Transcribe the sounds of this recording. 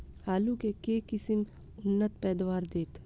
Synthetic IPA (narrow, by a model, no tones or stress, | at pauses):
haːlũkekekɪsɪm | ʊnːət̪pɛːd̪waːɾd̪eːt̪